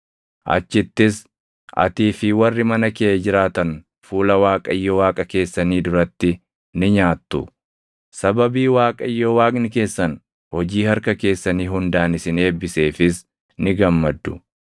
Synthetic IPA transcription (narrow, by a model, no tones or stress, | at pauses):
ʔɐ̰t͡ʃːɪt̪ːɪs | ʔɐ̰t̪iːfɪwɐrːɪmɐnɐkɛed͡ʒɪɾaːt̪ɐn | fuːlɐwaːkʼɐjːoːwaːkʼɐke̞ːsːɐniːd̪ʊɾɐt̪ːɪ | nɪɲaːt̪ːʊ | sɐbɐbiːwaːkʼɐɪjːɔwaːɡnɪke̞ːsːɐn | hɔd͡ʒiːhɐɾkɐke̞ːsːɐniːɦʊnd̪aːnɪsɪne̞ːbːɪse̞ːfɪs | nɪɡɐmːɐd̪ːʊ